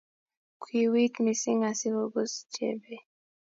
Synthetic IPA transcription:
kʰʷwi˨wi˦kmi˨si˦ŋa˨si˦ho˨ɡo˦st͡ʃḛ˦be˦

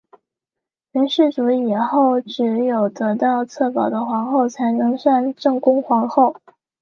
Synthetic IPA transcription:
lɛ˧˥nʂɻ̩˥˩ʈ͡ʂu˧˥i˨˩xo˥˩ʊʈ͡ʂɻ̩˧˥jo˨˩ʊt̪ɤ˧˥t̪ɑ˥˧ʊt͡sʰɤ˥˩pɑ˨˩ʊd̪ə˦xwɑ˧˥ŋxo˥˩ʊt͡sʰa˧˥ɪnɤ˧˥ŋʂa˥˧nʈ͡ʂɤ˥˩ŋkʊ˥ŋxwɑ˧˥ŋxo˥˩ʊ

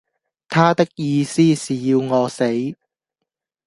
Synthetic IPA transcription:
t̪ʰaː˥t̪ɪ˥k̚jiː˧siː˥siː˨jiː˧wŋɔː˨˧se˨˥j

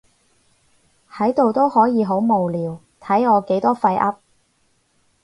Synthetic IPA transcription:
hɐ˨˥jt̪o˨wt̪o˥whɔː˨˥jiː˨˧ɦo˨˥wmo˨wliː˨˧w | t̪ʰɐ˨˥jɔː˨˧ke˨˥jt̪ɔː˥fɐ˧jʔɐ˥p̚

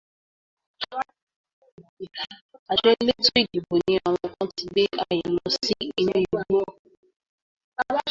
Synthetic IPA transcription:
a˨d͡ʒɛ˦le˦to˦i˦˨di˨bo˨nĩ˨a˨w̃ɔ̃˧kɔ̃˦ti˨˦be˦a˨jĩ˨lɔ˧si˦i˧nũ˦i˨bo˦˨

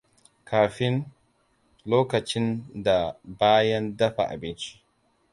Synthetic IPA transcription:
kaː˨ɸɪ˦n | loː˦kɐ˨t͡ʃɪ˦nda˨baː˦jɐ˦ndɐ˦ɸa̰˨ʔa̰˨bɪ˦nt͡ʃi̥˦

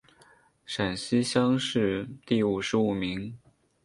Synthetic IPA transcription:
ʂa˨˩nɕi˥ɕjɑ˥ŋʂɻ̩˥˧t̪i˥˩u˨˩ʂɻ̩˧˥u˨˩mi˧˥ŋ

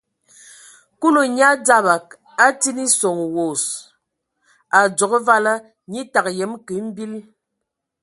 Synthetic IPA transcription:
ku˦lo˨ɲa˦d͡za˦ba˨k̚ | a˦ti˦ni˦sɔ˨ŋ˨wo˨s | a˨d͡zɔ˨kə˦va˦lə˦ | ɲi˦ta˨k̚jɛ˨˦mki˨˦m̩˦bi˦l

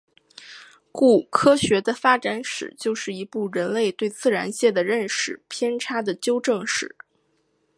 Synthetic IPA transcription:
ku˥˩kʰɤ˥ɕɥɛ˧˥d̪ə˧fa˥ʈ͡ʂa˧˥nʂɻ̩̰˨˩t͡ɕjo˥˧ʊʂɻ̩˥˩i˧˥pu˥˩ɻə˧˥nle˥˧ɪt̪we˥˧ɪt͡sɹ̩˥˩ɻa̰˧˥nɕjɛ˥˩d̪ə˩ɻə˥˧nʂɻ̩˥˩pʰjɛ˥nʈ͡ʂʰa˥d̪ə˨˩t͡ɕjo˥ʊʈ͡ʂɤ˥˧ŋʂɻ̩˥˩˦

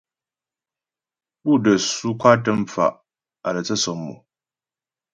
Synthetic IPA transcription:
bu˦˨də˨su˦kʷʰa˦tə˦mfa̰˨ʔ | a˨ɾə˨t͡sə˦sɔ˨mːṵ˨

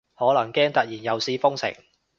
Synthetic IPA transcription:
hɔː˨˥lɐ˨˩ŋkɛː˥ŋt̪ɐ˨t̚jiː˨˩njɐ˨wsiː˧fʊ˥ŋsɪ̰˨˩ŋ

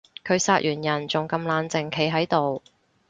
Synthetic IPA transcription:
kʰɵ˨˧ɥsaː˧t̚ʔyː˨˩njɐ˨˩nt͡sʊ˨ŋkɐ˧mlaː˨˧nt͡sɪ˨ŋkʰe˨˥jɦɐ˨˥jt̪o˨w

